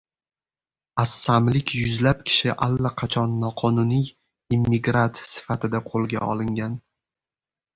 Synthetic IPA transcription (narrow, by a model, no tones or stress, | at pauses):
asːamlɪkʲjʊzlap̚kʲʰɪ̥ʃɪʔalːaqʰɑt͡ʃʰɒnːɒqʰɒnʊnij | imːɪɡɾat̪sɪ̥fat̪ʰɪd̪aqʰolˠɡʲa̰ʔɒ̰lˠɪŋɡʲan